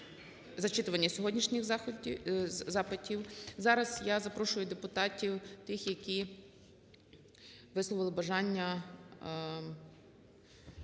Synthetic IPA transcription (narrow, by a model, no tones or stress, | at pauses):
zɐt͡ʃɪt̪ʊʋɐnʲːɐsʲɔɦɔdʲnʲiʃnʲɪx | zɑpɪtʲiwzɑɾɐzjazɐpɾɔʃʊjʊd̪epʊt̪ɑtʲiwt̪ɪxjɐkʲi | ʋɪslˠɔʋɪlˠɪbɐʒɑnʲːɐ